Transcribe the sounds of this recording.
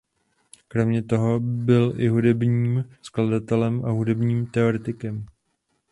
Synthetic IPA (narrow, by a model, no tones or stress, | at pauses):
kɾo̞mɲɛt̪o̞ɦo̞bɪlʔɪɦudɛbɲiːmskladat̪ɛlɛmʔaɦudɛbɲiːmt̪ɛoɾɛt̪ɪkɛm